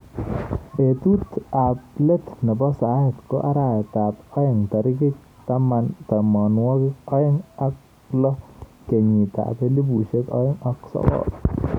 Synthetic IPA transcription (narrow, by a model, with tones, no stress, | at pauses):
e˨tu˦ta˨ple˦tnɛ˨bɔ˦sa˨˦hɪ˨tko̰˦ʔa˦ɾa˨jta˨pɔ˦jɛ˨ŋta˨ɾɪ˦kɪ˦k̚ | ta˦ma˦nta˨mɔ˨nwɔ˦kɪ˦kɔ˦jɪ˦ŋa˦k̚ | lɔ˦ke˨ɲi˨ta̰˨pe˦li˦bu˨ʃe˦kɔ̰˦jɪ˦ŋa˨ksɔ̰˦kɔ̰˨